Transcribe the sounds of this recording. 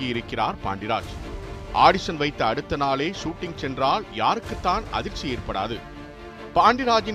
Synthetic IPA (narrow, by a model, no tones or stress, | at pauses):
ɪɪɾɯkːɪra̰ːɾpa̰ːɳɖɪɾa̰ːd͡ʒʔaːɽɪsɐnʋɐɪt̪ːɐɐɽɯt̪ːɐnaːleːʂuːʈːɪŋsɛndraːljaːɾɯkːɯt̪ːaːnɐ̰ðɪɾt͡ʃieːɾpɐɽa̰ːðɯ̰ | paːɳɖɪɾaːd͡ʒɪn